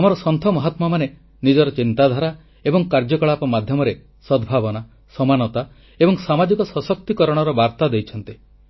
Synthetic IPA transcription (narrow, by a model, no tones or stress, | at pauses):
amɔɾɔsɔnt̪ʰɔmɔɦɔt̪mɔmane | nid͡ʒɔɾɔt͡ʃint̪ad̪ʱaɾa | ebɔŋkaɾd͡ʒɔkɔɭapɔmad̪ʱjɔmɔɾe | sɔd̪bʱabɔna | sɔmanɔt̪a | ebɔŋsamad͡ʒikɔsɔsɔk̚t̪ikɔɾɔɽ̃ɔɾɔbaɾt̪ad̪ejt͡ʃʰɔnt̪i